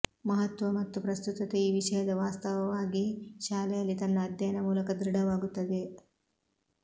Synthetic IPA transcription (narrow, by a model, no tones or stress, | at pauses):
mɐɦɐt̪ʋɐmɐt̪ːupɾɐst̪ut̪ɐt̪eiːʋiʂɐjɐd̪ɐʋaːst̪ɐʋɐʋaːɡiʃaːlɛjɐlːit̪ɐnːɐːd̪ʱjɐːnɐmuːlɐkɐd̪ɾiɽɐʋaːɡut̪ːɐd̪e̞